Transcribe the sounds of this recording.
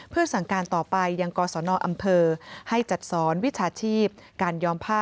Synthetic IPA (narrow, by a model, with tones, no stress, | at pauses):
pʰɯ˥˩ɐsa˨˩ŋkaː˧nt̪ɔː˨˩pa˧jːa˧ŋkɔː˧sɔː˩˦nɔː˧ʔa˧mpʰɤː˧ha˥˩jt͡ɕa˨˩t̪̚sɔː˩˦nwi˦˥t͡ɕʰaː˧t͡ɕʰiː˥˩p̚kaː˧njɔː˧mpʰaː˥˩